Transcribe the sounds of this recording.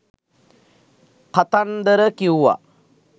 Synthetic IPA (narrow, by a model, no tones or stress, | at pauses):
kat̪and̪əɾəkiuʋa̰